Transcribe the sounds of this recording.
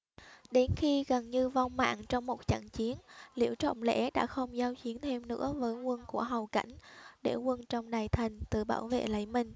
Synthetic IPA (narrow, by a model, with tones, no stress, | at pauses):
ɗe˨˦nxi˧ɣə˨˩nɲɨ˧va˧wŋ͡mma̰ː˧˨ŋt͡ɕɔ˧wŋ͡mmo˨˩t̚t͡ɕə̰˧˨ŋt͡ɕi˨˦ənlḭ˧˩əwt͡ɕɔ̰˧˨wŋ͡mlɛ̰˧˥ɗa̰ː˧˥xə˧wŋ͡mzaː˨˦wt͡ɕi˨˦ənt̪ʰe˧mnɨ̰˧˥əvəː˨˦jŋwə˧nku˧˩əɦa˨˩wka̰˧˩jŋ̟ɗe˧˩ŋwə˧nt͡ɕɔ˧wŋ͡mɗaː˨˩jt̪ʰa˨˩jŋ̟t̪ɨ˨˩ɓa̰ː˧˩wvḛ˧˨lə̰˧˥jmï˧˩ŋ̟